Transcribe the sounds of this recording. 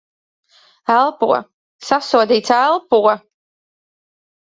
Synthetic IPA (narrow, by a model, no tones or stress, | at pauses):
ælˠpṵɔ | sasuɔd̪iːt̪saɛlˠpuɔ